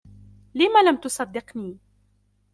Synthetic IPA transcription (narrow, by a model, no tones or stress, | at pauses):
lɪmaːlamt̪ʊsˤɑd̪ːɪqniː